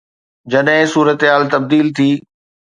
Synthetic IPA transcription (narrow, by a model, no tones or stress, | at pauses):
d͡ʑɐɗɦɪ̃suːɾət̪ɦaːlt̪ɐb̚d̪iːlt̪ʰiː